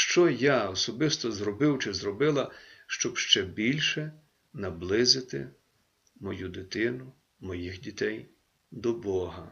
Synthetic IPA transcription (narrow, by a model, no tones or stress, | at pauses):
ʃt͡ʃɔjaɔsɔbɪst̪ɔzɾɔbɪwt͡ʃɪzrɔbɪlˠɐʃt͡ʃɔbʃt͡ʃɛbʲilʲʃɛ | nɐblˠɪzɪt̪ɪ̰ | mɔjud̪ɪt̪ɪnʊ | mɔjixdʲit̪ɛj | d̪ɔbɔɦɐ